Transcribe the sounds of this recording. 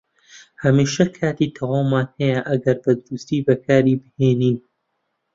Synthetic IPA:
hɐmiːʃɐkʰaːt̪iːt̪ʰɐwaːmːaːnhɐjɐʔɐɡɐɾbɐd̪ʊɾust̪iːbɐkʰaːɾiːbɨheːniːn

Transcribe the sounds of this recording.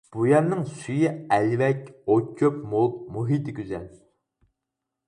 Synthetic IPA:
b̥ujɛɾnɪŋsyjiɛlvɛkʲokʲʰːøp̚molˠt̪muɦit̪ʰɪkʲʰyzɛl

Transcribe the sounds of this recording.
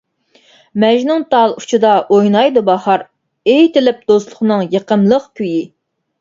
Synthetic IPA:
mɛʒnɪŋt̪ʰɑlˠut͡ʃʰɨd̪ɑʔojnɑjd̪ubɑhɑɾ | ejt̪ɪlɪp̚d̪̥oslˠʊχnɨŋjəqəmlˠəqkʲʰyji

